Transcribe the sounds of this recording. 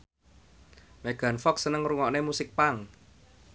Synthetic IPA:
meɡ̥a̤nfɔksənəŋruŋɔʔnemusɪk̚paŋ

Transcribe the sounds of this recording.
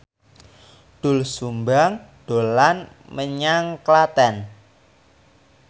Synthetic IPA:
ɖ̪̥ʊ̤lsumbaŋɖ̥olan | məɲaŋklat̪ɛn

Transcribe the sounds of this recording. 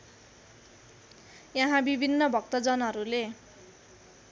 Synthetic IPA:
jʌɦãbibʱinːʌbʱʌkt̪ʌd͡zʌnɦʌɾule

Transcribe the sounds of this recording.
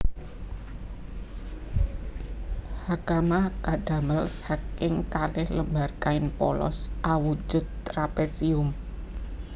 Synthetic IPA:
hakamakaɖ̥a̤məlshakɪŋkalɪhləmba̤rkaɪnpɔ̰lɔ̰sʔawud͡ʒʊ̤d̪̚t̪ɾapesiʊm

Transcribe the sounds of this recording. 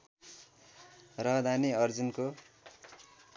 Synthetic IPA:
rʌɦd̪ʱaniʌrd͡zunko

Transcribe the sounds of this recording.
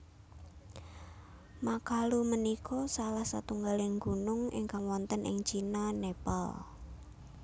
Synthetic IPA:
makalumənikʰɔsalahsat̪uŋɡalɪŋɡunʊŋɪ̰ŋkaŋwɔnt̪ənʔɪ̰ŋt͡ʃinanepa̰l

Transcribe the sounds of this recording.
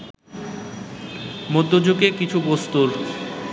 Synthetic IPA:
mod̪ʱːod͡ʑokekit͡ɕʰubost̪uɾ

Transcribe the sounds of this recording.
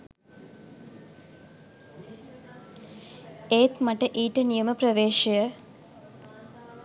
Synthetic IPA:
eːt̪mɐʈːɐʔiːʈːɐnijɐmɐprɐʋeːʂɐjɐ

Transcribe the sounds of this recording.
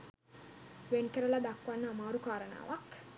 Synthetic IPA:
ʋenkəɾəlad̪akːʋanːəːmaːɾukaːɾəna̰ːʋak

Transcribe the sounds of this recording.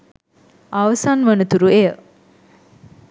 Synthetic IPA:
aʋəsanʋənət̪uɾuejə

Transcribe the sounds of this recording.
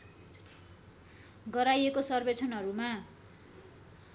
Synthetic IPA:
ɡʌɾajekosʌrbet͡sʰʌnɦʌɾuma

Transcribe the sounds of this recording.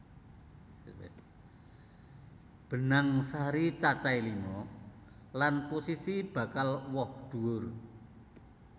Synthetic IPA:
b̥ə̤naŋsaɾit͡ʃat͡ʃailimɔ | lanposisib̥a̤kalwɔhd̪̥ṳʊr

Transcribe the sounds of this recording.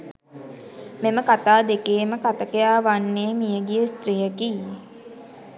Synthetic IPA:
meməkat̪aːd̪ekeːməkat̪əkejaːʋanːeːmijəɡijəst̪ɾiɦəki

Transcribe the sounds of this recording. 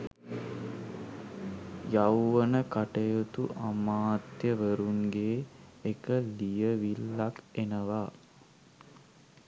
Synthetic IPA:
jawːənəkaʈəjot̪uʔamaːt̪jəʋəɾuŋɡeːkəlijəʋilːakenəʋa

